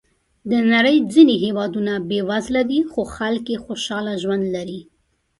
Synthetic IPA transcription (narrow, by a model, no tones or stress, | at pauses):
d̪ənaɾəjd͡zineɦewɑd̪unabewazlad̪ixoxalkjexoʃɑlaʒwand̪laɾi